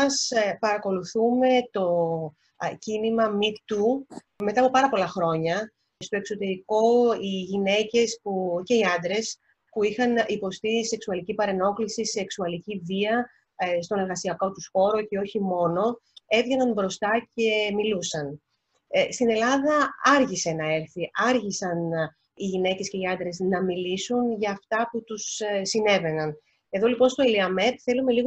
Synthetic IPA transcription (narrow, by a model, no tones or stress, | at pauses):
ɐspɐɾɐko̞luθume̞t̪o̞ | cinimɐmikt̪u | me̞t̪ɐːpo̞pɐɾɐpo̞lɐxɾo̞ɲɐ | st̪o̞e̞kso̞t̪e̞ɾiko̞iʝine̞ce̞spuce̞iɐnd̪ɾe̞s | puixɐnipo̞st̪ise̞ksuɐlicipɐɾe̞no̞klisiseksuɐliciviɐ | st̪o̞ne̞lɣɐsiɐko̞t̪usxo̞ɾo̞ce̞o̞çimo̞no̞e̞vʝenɐnbɾo̞st̪ɐce̞milusɐn | st̪ine̞lɐðɐɐɾʝise̞nɐe̞ɾθiʔɐɾʝisɐn | iʝine̞ce̞sce̞iɐnd̪ɾe̞znɐmilisunʝɐːft̪ɐput̪ussine̞ve̞nɐn | e̞ðo̞lipo̞nst̪o̞eliɐme̞t̪θe̞lume̞liɣ